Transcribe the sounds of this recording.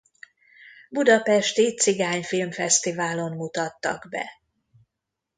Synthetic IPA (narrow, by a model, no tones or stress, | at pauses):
bud̪ɒpɛʃt̪it̪siɡaːɲfilmfɛst̪ivaːlo̞mmut̪ɒt̪ːɒ̰ɡbɛ̰